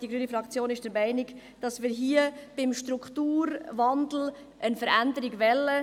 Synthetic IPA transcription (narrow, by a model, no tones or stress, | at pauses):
d̥iɡɾyːənifɾɑkt͡sjoːnɪʃd̥əɾmæɪnɪɡ | d̥ɑsmɪːɾɦiːəb̥ɪmʃtɾukχtuːɾʋɑnd̪l̩ | ʔənfəɾændəɾɪɡʋɛlːə